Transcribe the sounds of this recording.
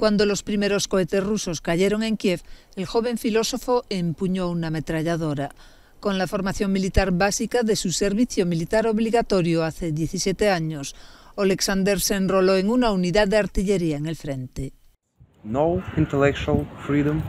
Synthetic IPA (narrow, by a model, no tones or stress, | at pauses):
kwand̪o̞lo̞spɾimeɾo̞skoet̪esruso̞skaʎeɾo̞ŋe̞ŋkjef | elxo̞β̞e̞ɱfilo̞so̞foʔempuɲouname̞t̪ɾaʎaðoɾa | koŋlafo̞ɾmaθjo̞ŋmilit̪aɾβasikaðesuse̞ɾβiθjomilit̪aɾoβliɣat̪oɾjoaθeðje̞θisjet̪eaɲosoleksand̪eɾsenroloeŋunauniðaððeaɾt̪iʎe̞ɾiaeŋe̞lfɾe̞nt̪e | noĩnt̪ɛlɛk̚t͡ʃualˠfɾidə̃m